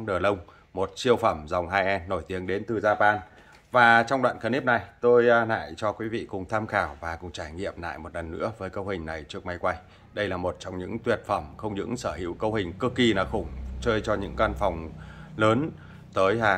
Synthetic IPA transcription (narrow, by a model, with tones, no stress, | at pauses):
ɗəː˨˩lə˧wŋ͡m | mo˨˩t̚t͡ɕi˧əwfə˧˩mza˨˩wŋ͡mɦaː˧jʔɛ˧nːo˧˩jt̪i˨˦əŋɗe˨˦nt̪ɨ˨˩zaː˧paː˧n | vaː˨˩t͡ɕɔ˧wŋ͡mɗwa̰ː˧˨nkə˧˩ni˦˥p̚na˨˩jt̪o˧jna̰ː˧˨jt͡ɕɔ˧kwi˨˦vḭ˧˨kʊ˨˩ŋ͡mt̪ʰaː˧mxaː˧˩wvaː˨˩kʊ˨˩ŋ͡mt͡ɕaː˧˩jŋḭ˧˨əmna̰ː˧˨jmo˨˩t̚lə˨˩nːɨ̰˧˥əvəː˨˦jkə˧whï˨˩ŋ̟na˨˩jt͡ɕɨ˦˥ək̚ma˧jkwa˧j | ɗə˧jlaː˨˩mo˨˩t̚t͡ɕɔ˧wŋ͡mɲɨ̰˧˥ŋt̪wi˨˩ət̚fə˧˩mxə˧wŋ͡mɲɨ̰˧˥ŋsəː˧˩hḭ˧˥əwkə˧whï˨˩ŋ̟kɨ˧ki˧naː˨˩xʊ˧˩ŋ͡mt͡ɕəː˧jt͡ɕɔ˧ɲɨ̰˧˥ŋkaː˧nfɔ˨˩wŋ͡mləː˨˦n | t̪əː˨˦jaː˧